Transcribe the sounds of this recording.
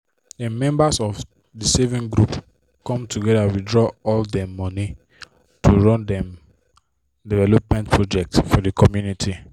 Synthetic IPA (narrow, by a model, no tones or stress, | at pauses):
ɛmɛ̃mbasɔf | disɛvĩŋɡɹup | kɔ̃mtʰuɡɛdawidɹɔɔldɛmɔni | tʰuɹɔ̃ndɛ̃m | divɛlop̚mɛ̃ntpʰɹod͡ʒɛk̚tsfɔdikʰɔmjunitʰi